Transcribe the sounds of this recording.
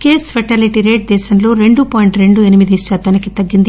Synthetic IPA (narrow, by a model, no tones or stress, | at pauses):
keːsfɐʈaːliʈiɾeːʈ̚d̪ɛːʃɐmlo̞ːɾe̞ɳɖupɔːjɳʈɾe̞ɳɖuenimid̪ist͡ʃaːt̪ɐːnikit̪ɐɡːind̪i